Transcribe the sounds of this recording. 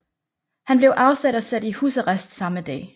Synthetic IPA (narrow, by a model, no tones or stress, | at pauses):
hænb̥leʊʔɑ̈ʊsæd̥ɒ̽sæd̥ihṵːsɒʁasd̥sɑ̈məd̥ɛ̰ː